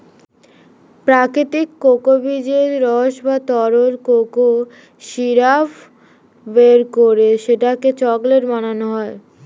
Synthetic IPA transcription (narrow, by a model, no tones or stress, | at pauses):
pɾakɾit̪ikːokobid͡ʑeɾɾɔʃbat̪ɔɾoɾkoko | ʃiɾaf | beɾkoɾeʃeʈaket͡ɕɔɡleɾmananoɦɔe